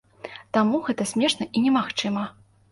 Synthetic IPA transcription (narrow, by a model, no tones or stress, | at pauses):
t̪amuɣɛt̪ɐsʲmʲɛʂnɐʔinʲɛmaxt͡ʂɨmɐ